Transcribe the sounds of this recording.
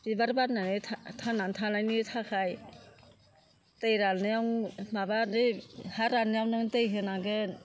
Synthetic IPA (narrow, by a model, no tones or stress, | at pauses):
b̥ibaɾbaɾnanɯtʰatʰanantʰanajnɯtʰakʰaj | tejɾalnɯjawŋmabanɯjhaɾalnɯjawnɯŋtɯjɦɯnaɡɯn